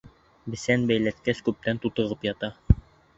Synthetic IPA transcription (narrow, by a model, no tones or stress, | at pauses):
bɘ̆sænbæjlæt̪̚kæskʉp̚t̪ænt̪ut̪ɤ̆ʁɤpjɑt̪ɑ